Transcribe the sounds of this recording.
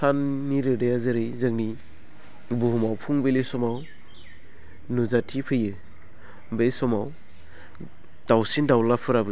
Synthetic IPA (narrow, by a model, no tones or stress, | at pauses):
sʰanːiɾɯdajazɯɾɯjzaŋni | buɦumawpʰuŋbelesɔmaw | nuzatʰipʰɯjɯ | bejsɔmaw | d̥awsindawlapʰɯɾabɯ